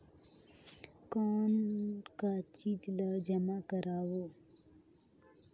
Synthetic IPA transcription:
kaːnkat͡ʃiːd͡ʒlaːd͡ʒəmakəɾaːwoː

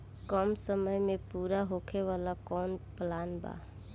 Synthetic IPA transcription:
kəmsəməjmẽpuːɾaɦokʰeʋalakɔːnplaːnba̰

